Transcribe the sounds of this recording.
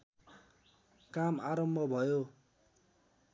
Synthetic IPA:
kamaɾʌmbʱʌbʱʌjo

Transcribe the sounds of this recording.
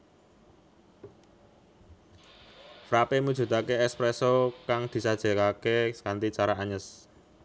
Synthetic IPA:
fɾapemu̥ʒ̥ṳt̪akeɛkspɾɛsɔkaŋd̪̥i̤sad̥ʒ̥ɛ̤kakeskant̪it͡ʃaɾaʔaɲəs

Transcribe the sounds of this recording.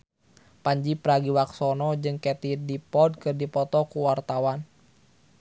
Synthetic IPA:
paɲd͡ʒipɾaɡiwaksɔnɔd͡ʒɨŋkɛt̪idipɔd̚kɨrdipɔt̪ɔkuwart̪awan

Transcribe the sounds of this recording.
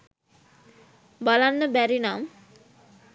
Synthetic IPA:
balanːəbæɾinam

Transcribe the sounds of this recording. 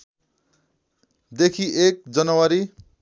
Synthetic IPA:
d̪ekʰiʔek̚d͡zʌnʌwaɾi

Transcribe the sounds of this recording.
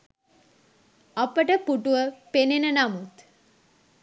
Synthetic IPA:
apəʈəpuʈuʋəpenenənamut̪

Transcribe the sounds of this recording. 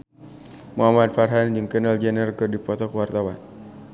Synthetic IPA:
muɦamat̪̚farɦand͡ʒɨŋkənəld͡ʒɛnərkɨrdipɔt̪ɔkwart̪awan

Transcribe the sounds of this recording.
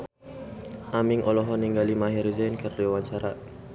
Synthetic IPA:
ʔamɪŋʔɔlɔɦɔniŋɡalimaɦiɾzɛnkərliwaɲt͡ʃaɾaʔ

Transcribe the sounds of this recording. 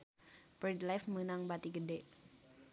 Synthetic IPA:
bɾɛd̪lajfmənaŋbat̪iɡədeʔ

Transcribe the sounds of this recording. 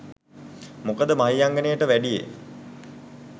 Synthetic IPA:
mokəd̪əmaɦijaŋɡənejəʈəʋæɖijḛ

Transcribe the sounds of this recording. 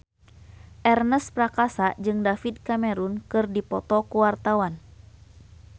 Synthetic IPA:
ʔɛrnəspɾakasad͡ʒɨŋdafid̪̚kamɛɾunkɨrdipɔt̪ɔkuwart̪awan

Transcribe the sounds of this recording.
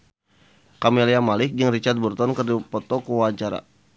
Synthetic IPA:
kamiliamalɪk̚d͡ʒɨŋrit͡ʃart̪̚burt̪ɔnkərdipɔt̪ɔkəwat͡ʃaɾa̰

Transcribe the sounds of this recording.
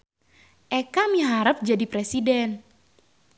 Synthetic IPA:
ʔɛkamiɦaɾəp̚d͡ʒadipɾɛsidɛn

